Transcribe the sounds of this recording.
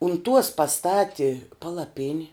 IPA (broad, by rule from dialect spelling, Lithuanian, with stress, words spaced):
ʊn tuɔs pɐˈstɑːtʲɪ pɐlˠɐˈpʲɪnʲɪ